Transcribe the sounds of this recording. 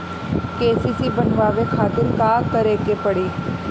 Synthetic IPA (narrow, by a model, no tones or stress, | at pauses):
keːsiːsiːbənʋaːʋeːkʰaːt̪ɪɾkaːt̪əɾeːkeːpəɽiː